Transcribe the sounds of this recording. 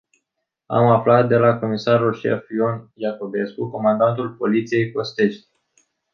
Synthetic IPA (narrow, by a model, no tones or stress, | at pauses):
a̰maflat̪̚d̪e̞lako̞misarulʃḛfjo̞njako̞be̞skuko̞mand̪ant̪ulpo̞lit̪sije̞jko̞st̪e̞ʃt̪